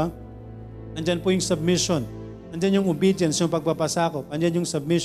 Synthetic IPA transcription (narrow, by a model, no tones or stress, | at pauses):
a | ʔɐnd͡ʒanpʊjʊŋsɐb̚mɪʃon | ʔɐnd͡ʒanjʊŋʊmbid͡ʒɛnsjʊŋpɐɡ̚papɐsaːkʊp̚ʔɐnd͡ʒanjʊŋsɐb̚mɪ